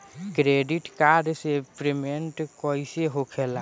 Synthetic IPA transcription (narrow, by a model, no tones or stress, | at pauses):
kɾeɖiʈkaɾɖsepɾemeɳʈkɔiseɦokʰela